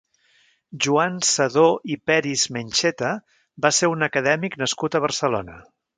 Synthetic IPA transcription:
ʒuansəðoʔipɛɾizmenʲʃɛt̪ə | baseɾunəkəðɛmiknəskut̪əβ̞əɾsəlo̰nə

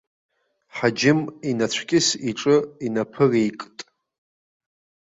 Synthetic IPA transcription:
ħad͡ʒɪminat͡ɕʷʰɡʲʼɪsiʈ͡ʂʼɨinapʰɨrejkʼtʼ

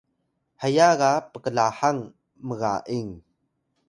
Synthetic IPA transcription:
həjaɣapəkəlahaŋ | məɣa̰ʔiŋ

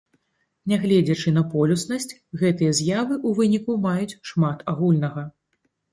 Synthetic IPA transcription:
nʲɛɣlʲɛd͡zʲɐt͡ʂɨn̪ɐpɔlʲusnɐsʲt͡sʲ | ɣɛt̪ɨjɐzʲjavɨʔuvɨnʲikumajut͡sʲʂmat̪aɣulʲnɐɣɐ

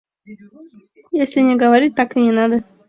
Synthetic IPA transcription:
jesʲlʲɪnʲɪɡəvɐɾʲit̚ʲt̪akɨnʲɪnad̪ə

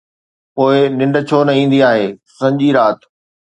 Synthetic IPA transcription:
poːɪnɪ̃ɳɖə̆t͡ɕʰoːnɐĩːn̆d̪iaːɦeːsɐ̃ɲd͡ʑiɾaːt̪

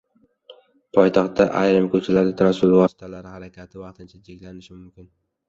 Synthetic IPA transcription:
pʰɒjt̪ʰɒχt̪ʰːaʔajɾɪmkʰɵt͡ʃʰalaɾd̪ɪt̪ʰaɾasʊlˠvɒsɪ̥t̪ʰalaɾɪhaɾakʲʰat̪ʰɪvɑqt̪ʰɪnt͡ʃʰad͡ʒʰekʲlanɪʃɪmʊmkʲɪn

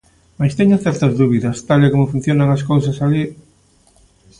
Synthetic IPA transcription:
majst̪eɲaθɛɾt̪ɐzðuβiðɐst̪alekomofun̟θjonɐŋɐskowsɐsali

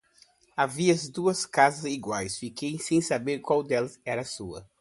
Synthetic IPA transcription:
aviɐɐzd̪uɐskazɐziɡwajsfikejsẽj̃sabeɾkwawd̪ɛlɐzɛɾɐsuɐ̰

